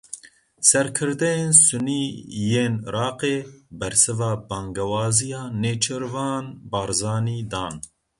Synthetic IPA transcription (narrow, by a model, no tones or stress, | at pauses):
sɛɾkʰɨɾd̪ɛjeːnsuniːjeːnɾʔɑːqeːbɛɾsɨvɑːbɑːŋɡɛwɑːzijɑːneːt͡ʃʰɨɾvɑːnbɑːɾzɑːniːd̪ɑːn